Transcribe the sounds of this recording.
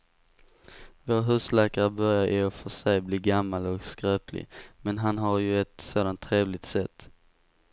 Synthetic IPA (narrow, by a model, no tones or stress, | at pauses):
voːɾɦʉ̟ːslɛːkaɾbœɾjaɾʔɪɔfœʂɛjbliːɡamːalɔkskɾøːpʰlɪ̰mɛnɦanɦaɾjɵɛt̪soːd̪ant̪ʰːɾeːvlɪt̪sɛt̪ː